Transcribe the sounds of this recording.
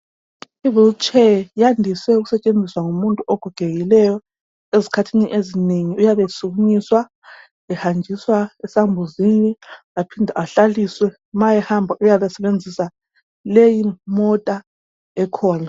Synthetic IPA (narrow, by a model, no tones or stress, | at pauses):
ivilt͡ʃʰʼɛjandʱiswɛuɣusɛt͡ʃʼend͡zʱiswaŋumuntʼuʔɔɡ̥ʱuɡ̥ʱeɣilɛjɔ | ezikʰatʰiniʔezineŋiujaβɛsuɣuɲiswa | ɛhand͡ʒʱiswaɛsambʱuzini | apʰindʱaaɬaliswɛ | majɛhambʱaʔujaβɛsɛβend͡zʱisa | lejimɔtʼa | ɛkʰɔːna